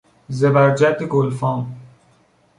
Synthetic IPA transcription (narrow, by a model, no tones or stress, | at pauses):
zebæɾd͡ʒæd̪eɡolfɒːm